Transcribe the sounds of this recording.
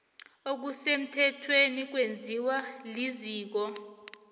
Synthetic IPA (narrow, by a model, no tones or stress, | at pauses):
ok̬usem̩tʰɛtʰwenik̬wend͡zʱiwaliziːk̬ɔ